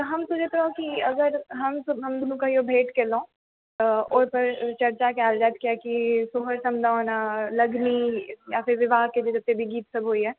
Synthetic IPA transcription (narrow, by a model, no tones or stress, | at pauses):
ɦɐmt̪ʊd͡ʒʱep̪ɾaokiɐɡəɾɦɐmsəbɦɐmd̪ʊnũkaɦiobʱeːʈkeːlõː | oːɾpəɾt͡ʃɐɾt͡ʃakeaːld͡ʒɛːt̪̚kiaːkisoɦəɾsɐmd̪ʱaoːnaːlɐɡnijaːfʰɪɾʋɪʋaːɦked͡ʒod͡ʒɐt̪ːebʱiɡiːt̪sɐbɦoːiɦɛː